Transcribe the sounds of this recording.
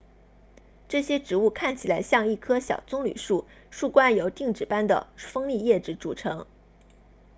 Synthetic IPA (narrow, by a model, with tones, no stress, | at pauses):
ʈ͡ʂɤ˥˩ɕjɛ˥ʈ͡ʂɻ̩˧˥u˥˧kʰa˥˩nt͡ɕʰi˨˩la˧˥ɪɕjɑ˥˧ŋi˥˩kʰɤ˥ɕjɑ̰˨˩ʊt͡sʊ˥ŋly̰˨˩ʂu˥˧ | ʂu˥˩kwa˥njo˧˥ʊt̪i˥˩ŋʈ͡ʂɻ̩˨˩pa˥nd̪ə̰˨˩fɤ˥ŋli˥˧jɛ˥˩ʈ͡ʂɻ̩˧˥ʈ͡ʂu˨˩ʈ͡ʂʰɤ˧˥ŋ